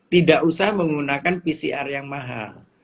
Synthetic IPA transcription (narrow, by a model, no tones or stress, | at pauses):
t̪idaʔusahməŋɡunakanpisḭʔarjaŋmaɦa̰l